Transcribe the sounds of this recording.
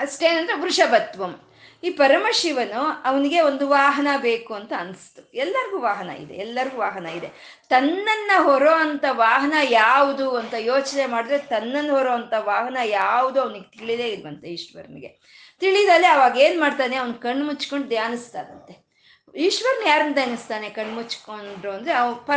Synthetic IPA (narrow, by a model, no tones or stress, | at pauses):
ɐʃʈe̞ːnɐnd̪ɾebɾuʂɐbɐt̪ːʋɐm | iːpɐɾɐmɐʃiʋɐnuɐʋɐniɡe̞ond̪uʋaːɦɐnɐbe̞ːkuɐnt̪ɐːnst̪uɛlːɐɾiɡuːʋaːɦɐnɐ̰ḭd̪e̞̰ɛlːɐɾiɡuːʋaːɦɐnɐid̪e̞ | t̪ɐnːɐnːɐɦɔɾoːɐnt̪ɐʋaːɦɐnɐjaːʋud̪uɐnt̪ɐjoːt͡ʃne̞maːɽid̪ɾet̪ɐnːɐnːɐɦɔɾoːɐnt̪ɐʋaːɦɐnɐjaːʋud̪uɐʋɐniɡet̪iɭid̪eːiɾʋɐnt̪eiːʂʈʋɐ̰ɾnɡe̞̰ | t̪iɭid̪ɐlːiɐʋaːɡe̞ːnmaːɖt̪aːne̞ɐʋɐnkɐɳːmut͡ʃːko̞ɳɖd̪jaːnist̪aːd̪ɐnt̪e̞ | iːʂʈʋɐɾnjaːɾɐnd̪jaːnɐst̪aːne̞kɐɳːmut͡ʃːkoɳɖɾuɐnd̪ɾeɐpɐ